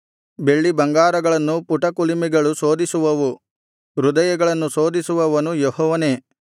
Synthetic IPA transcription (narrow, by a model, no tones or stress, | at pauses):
be̞ɭːibɐŋɡaːɾɐɡɐɭɐnːupuʈɐkulimiɡɐɭuso̞ːd̪isuʋɐʋu | ɾud̪ɐjɐɡɐɭɐnːuso̞ːd̪isuʋɐʋɐnujɔɦɔːʋɐne̞ː